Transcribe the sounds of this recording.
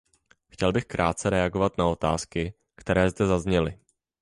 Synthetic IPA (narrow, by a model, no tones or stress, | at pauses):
xcɛlbɪxkɾʔaːt̪̚t͡sɛɾɛaɡo̞vat̪nao̞t̪a̰ːskɪ | kt̪ɛɾɛːzd̪ɛzazɲɛlɪ